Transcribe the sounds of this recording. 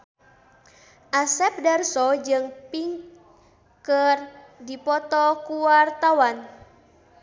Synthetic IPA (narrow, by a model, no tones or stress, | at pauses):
ʔasɛp̚darsɔd͡ʒɨŋpiŋ | kərdipɔt̪ɔkuwart̪awan